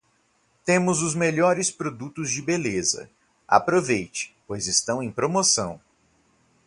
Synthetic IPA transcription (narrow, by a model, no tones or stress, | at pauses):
t̪ẽmʊzʊzmeʎɔɾɪspɾod̪ut̪ʊzd͡ʒɪbelezɐ̰ | a̰pɾovejt͡ʃɪ̥pojzɪst̪ɐ̃w̃ẽj̃pɾomosɐ̰̃w̃